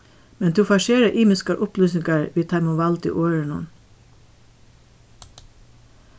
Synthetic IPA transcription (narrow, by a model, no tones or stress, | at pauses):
mɛnt̪ʰuːfɑːʃeːɹəʔiːmɪskəɾʔʊplyːsnɪŋɡəɹʋiːt̪ʰɑɪmʊʋɑld̪ḭːʔoːɹəɳʊ̰n